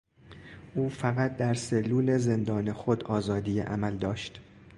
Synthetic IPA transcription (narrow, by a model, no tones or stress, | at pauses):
ʔuːfæɣæt̪̚d̪æɾse̞lːuːle̞ze̞nd̪ɒːnexod̪ɒːzɒːd̪iːjḛʔæ̰mæld̪ɒːʃt̪